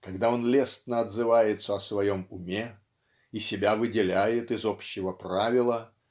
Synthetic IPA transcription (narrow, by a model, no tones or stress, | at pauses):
kɐɡd̪ao̞nlʲe̞st̪nəɐd̪zɨvajɪt̪səɐsvɐjo̞mʊmʲe | isʲɪbʲavɨdʲɪlʲæjɪt̪ɨzopɕːɪvəpravʲɪlˠə